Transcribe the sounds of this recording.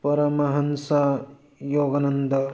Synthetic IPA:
pɐɾɐmɐɦɐnsɐ | joːɡɐnɐnd̪ʱɐ

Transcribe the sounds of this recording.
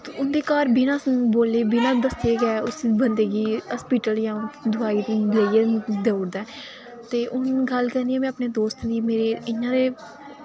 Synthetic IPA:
ʊnd̪eːkaːɾbɪnãːboːleːbɪnãːd̪əseːɡɛːʊsbənd̪eːɡiːɦəspiːʈəljãːd̪ʱʊaːiːleːiɛːd̪eːʊɽd̪aː | t̪eːʔʊnɡəlkəɾnd̪iːɛ̃ːmɛ̃ːəpneːd̪oːst̪d̪iːmeːɾeːɪnːãːd̪eː

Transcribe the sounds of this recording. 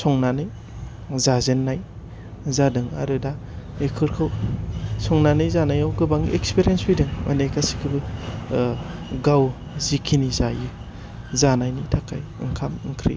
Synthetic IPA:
sɔŋnanɯj | zazenːaj | zadɯŋa̰ɾɯda | ekʰɯɾkʰɯwsɔŋnanɯjzanajawɡɯbaŋḛkspiɾiensbɯjdɯŋmʔa̰nekasi̥kʰɯbɯ | ɡaw | zikʰinizajɯ | zanajnitʰakʰajɯŋkʰamɯŋkʰɾḭ

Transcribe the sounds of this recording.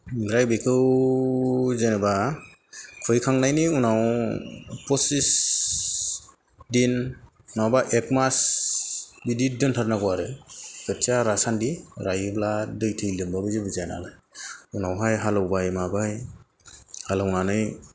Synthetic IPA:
ɡɾajbekʰɯw | zeneba | kʰɔjkʰaŋnajniunaw | pɔsis | din | nawbaʔekmas | bididɯntʰaɾnakɔaɾɯkɯtʰiaɾasandiɾajɯbladɯjtʰɯjlɯmbabɯzɯbɯzajnalɯjunawɦajɦalɯwbajmabaj | halawnanɯj

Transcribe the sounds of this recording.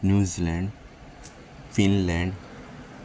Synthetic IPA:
njuːzilɛ̃ɳɖ | fĩnlɛ̃ɳɖ

